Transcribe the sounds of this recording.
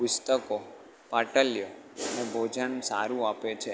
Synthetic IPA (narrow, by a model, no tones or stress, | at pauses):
pʊst̪əko | paʈəljoənebʱod͡ʒənsaɾũapet͡ʃʰe